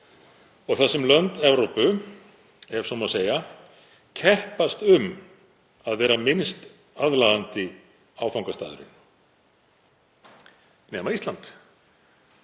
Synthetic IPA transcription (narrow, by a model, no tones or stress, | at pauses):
ɔɣθasːɛmlœnt̪ɛvɾowpʏ | ɛɾ̥sɔmaseːja | cʰɛhpast̪ʏm | aðvɛːɾamɪnst̪ | aðlaðant̪ɪ | aːwfawŋkast̪a̰ːðʏɾɪ̰n | nɛːmaist̪lant̪